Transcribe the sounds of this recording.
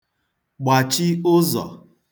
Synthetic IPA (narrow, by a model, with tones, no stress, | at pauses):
ɡ͡ba˨t͡ʃɪ˦ʊ˦zɔ̰˨